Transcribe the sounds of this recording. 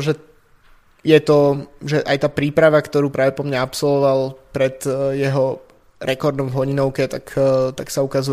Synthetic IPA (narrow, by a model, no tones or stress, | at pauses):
ʒɛ | jɛt̪ɔʒɛʔajt̪aːpɾiːpɾaʋakt̪ɔɾuːpɾʔaːʋɛpɔmɲaapsɔlʋɔʋalpɾɛd̪jɛɦɔ | ɾɛkɔɾd̪nɔmvɦɔɲinɔʊkɛt̪akt̪aksaukazu